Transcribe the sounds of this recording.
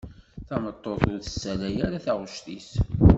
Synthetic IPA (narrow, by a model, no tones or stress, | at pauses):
θæmət̪ˤːoθʊɾθə̥sːælæjæɾaθaʁʊʃt̪is